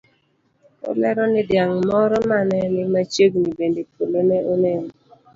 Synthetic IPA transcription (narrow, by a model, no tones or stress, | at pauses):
o̰lɛɾɔnɪdjaŋmɔɾɔmanɛnɪmat͡ʃeɡnibendepolemɛonen